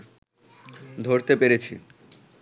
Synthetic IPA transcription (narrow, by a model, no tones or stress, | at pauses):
d̪ʱoɾt̪epeɾet͡ɕʰḭ